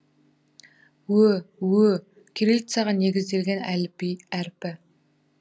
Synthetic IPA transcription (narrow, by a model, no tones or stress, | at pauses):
wɵwɵ | kʲʰeɾelt̪saʁɑne̞ɡʲɪzd̪e̞lɡʲenælpiæɾpɪ